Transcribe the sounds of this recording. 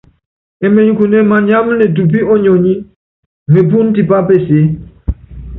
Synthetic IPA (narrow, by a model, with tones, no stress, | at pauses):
ɛ˨me˨ɲ˦ku˨ne˦ma˨ɲa˦m˦nɛ˨tu˨pi˦ɔ˦ɲɔ˨ɲi˦ | me˨p̬u˦n˦ti˨pa˦pe˦˨se˨˦